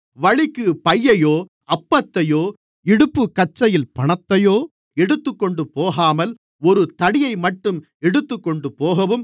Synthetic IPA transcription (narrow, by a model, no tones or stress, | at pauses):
ʋɐɻɪkːɯpɐjːɐjoː | ɐpːɐt̪ːɐjoː | ɛɽɯpːɯkɐt͡ʃːɐjɪlpɐɳɐt̪ːɐjoː | ɛɽɯt̪ːɯkːɔɳɖɯpoːɣaːmɐl | ɔɾɯt̪ɐɽɪjɐɪmɐʈːɯm | ɛɽɯt̪ːɯkːɔɳɖɯpoːɣɐʋɯm